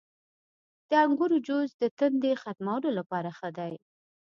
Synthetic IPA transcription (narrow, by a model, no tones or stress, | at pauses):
d̪̥əaŋɡʊɾud͡ʒozd̪ət̪ənd̪exat̪mawəlolapɑɾaxəd̪aj